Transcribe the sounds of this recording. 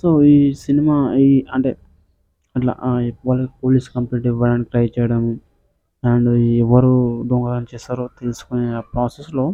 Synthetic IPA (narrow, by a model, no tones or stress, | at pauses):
soːiːsinimaːiɐɳʈe̞̰ː | ɐʈla̰ːʔʋɐlɐkpoːliskɐmpliːʈ̬iʋɐlɐnikilɐjɐt͡ʃɛːjɐɽɐmu | aɳɖuɛʋɐɾud̪oŋɡaːɾɐmt͡ʃɛːsaːɾot̪eːlsu̥kunepɾaːsesloː